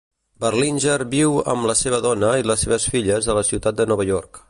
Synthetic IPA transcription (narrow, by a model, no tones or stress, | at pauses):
bərlinʲʒəɾbiwə̰mləseβ̞əðɔnəiləseβ̞əsfiʎəzðələsiwt̪at̪̚d̪ənɔβ̞əʎɔrk